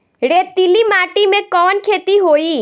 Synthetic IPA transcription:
ɽet̪ilimaːʈimẽkɔːnkʰeːt̪iɦoːi

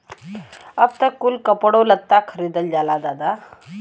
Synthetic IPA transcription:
əpt̪əkulkəpɽolət̪ːakʰəɾid̪əld͡zalad̪ad̪a

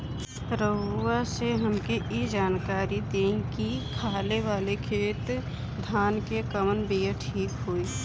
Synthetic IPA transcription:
pɾəbuaseɦəmkeʔid͡ʒaːnkaːɾid̪ẽkikʰaːleʋaːlekʰeːt̪ | d̪ʱaːnkekəmənbiːjəʈʰiːkɦoːiː

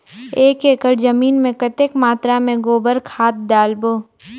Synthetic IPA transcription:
eːkeːkəɽzəmiːnmẽkət̪ekmaːt̪ɾamẽɡoːbəɾkʰaːt̪̚d̪aːlboː

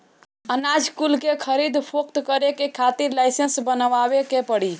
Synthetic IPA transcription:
ənad͡ʒʱkulkekʰəɾid̪pʰok̚t̪kəɾekekʰat̪iɾlajsensbənʋabekepəɽi

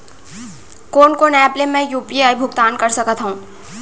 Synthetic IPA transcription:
koːnkoːnɛːplemɛ̃juːpiaːibʱʊkt̪aːnkɐɾsɐkət̪ɦũː

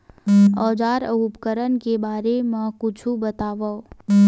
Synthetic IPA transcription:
ɔːd͡ʒaːɾə̰ɦupkəɾənkebaːɾemãkʊt͡ʃʰubət̪aːʋao

